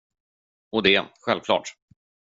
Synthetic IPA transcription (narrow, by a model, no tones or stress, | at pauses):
ɔd̪ɛɧɛlv̥kʰlɑ̰ːʈ